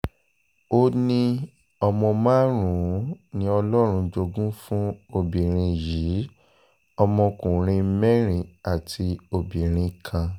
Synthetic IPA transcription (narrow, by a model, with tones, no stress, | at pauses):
o˦nĩ˧ | ɔ˧mɔ̃˧mãː˦ɾ̃ũ˨˦nĩ˧˦ɔ˧lɔ˦ɾ̃ũ˧d͡ʒo˧ɡũ˦fũ˦o˦˨bĩ˨ɾ̃ĩ˧ji˨˦ | ɔ˧mɔ̃˧kũ˨ɾ̃ĩ˧˦mɛ˦ɾ̃ĩ˨a˨tʰi˧o˧˨bĩ˨ɾ̃ĩ˧kʰã˧